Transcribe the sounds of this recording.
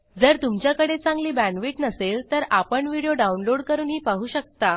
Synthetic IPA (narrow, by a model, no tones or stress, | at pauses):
d͡zəɾt̪umt͡ɕjakəɽet͡sãŋɡliːbæ̃nʋiːʈnəselt̪əɾʔapəɳʋiɽijoɖaunloɽkəɾuːnɦiːpaɦuːɕək̚t̪a